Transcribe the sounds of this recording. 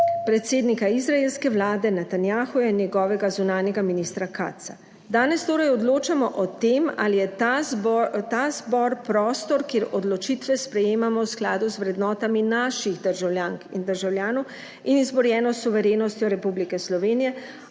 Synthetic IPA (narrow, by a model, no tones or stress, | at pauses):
pɾɛt̪seːd̪nikaizɾaeːlskɛʋlaːd̪ɛnɛt̪anjaːxujɛnjɛɡɔːʋɛɡazunaːnjɛɡaminiːst̪ɾaka̰ːt̪sa | d̪aːnɛst̪oːɾɛjɔd̪loːt͡ʃamɔʔɔt̪eːma̰lijɛt̪azbɔt̪azbɔɾpɾɔːst̪ɔɾkeːɾɔd̪lɔt͡ʃit̪ʋɛspɾɛjeːmamɔwsklaːd̪uzʋɾɛd̪nɔːt̪aminaʃiɣd̪əɾʒawlʲjaːŋkind̪əɾʒawljaːnɔw | inizbɔɾjɛːnɔsuʋɛɾeːnɔst̪jɔɾɛpublikɛslɔʋeːnijɛ